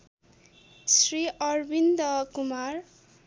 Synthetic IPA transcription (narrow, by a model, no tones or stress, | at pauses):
sriʌrbind̪ʌkumar